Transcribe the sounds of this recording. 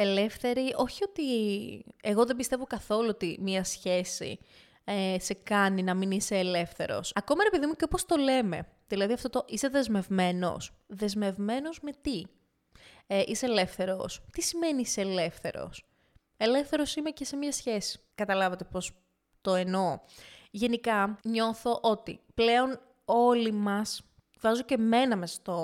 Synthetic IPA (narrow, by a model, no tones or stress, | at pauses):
ele̞fθe̞ɾiʔo̞çio̞t̪i | eɣo̞ðembist̪e̞vokɐθo̞luot̪imiɐsçe̞sḭ | ese̞kɐninɐminiseːle̞fθe̞̰ɾo̞̰sɐko̞mɐɾepiðimuceo̞post̪o̞le̞me̞̰ðilɐðiɐft̪ot̪o̞ʔise̞ðe̞zme̞vme̞no̞̰sðe̞zme̞vme̞no̞zme̞t̪i | ʔiseːle̞fθe̞ɾo̞̰st̪isime̞niiseːle̞fθe̞̰ɾo̞̰s | e̞lefθe̞ɾo̞simece̞se̞mɲɐsçe̞si̥kɐt̪ɐlɐvɐt̪e̞po̞s | t̪o̞eno̞ʝe̞nikɐɲo̞θo̞ʔo̞t̪ḭple̞o̞n | o̞limɐs | vɐzoceme̞nɐmesɐ̥st̪o